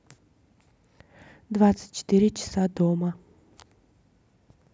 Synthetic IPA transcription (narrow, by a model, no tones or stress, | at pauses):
d̪vat̪sɨ̥tʲt͡ʃːɪ̥t̪iɾʲɪt͡ʃɪ̥sad̪omə